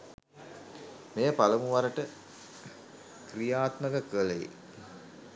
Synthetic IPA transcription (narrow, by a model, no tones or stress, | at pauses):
mejəpaləmuʋaɾəʈə | krijaːt̪məɡəkəlejḭ